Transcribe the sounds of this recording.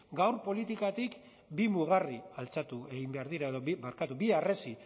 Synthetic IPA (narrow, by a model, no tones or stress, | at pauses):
ɡawɾpo̞lit̪ikat̪ik | bimuɣ̞arialt͡sat̪ue̞ɣimbe̞aɾðiɾaeðo̞βibaɾkat̪ubiaresi